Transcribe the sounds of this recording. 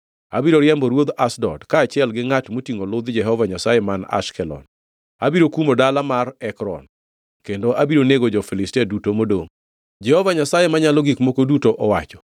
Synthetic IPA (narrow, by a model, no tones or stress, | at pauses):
a̰biɾoɾjɛmbɔɾwod̪asdɔ̰dkaːt͡ʃɪɛlɡɪŋatmotiŋolʊd̪d͡ʒɛɦɔvaɲasajemana̰ʃkɛlɔ̰n | a̰biɾokumodalamarɛkɾɔ̰n | kendoʔabiɾoneɡod͡ʒɔfilɪstɛdutomodoŋ | d͡ʒɛhɔvaɲasajemaɲalɔɡikmokodutoʔɔwat͡ʃɔ̥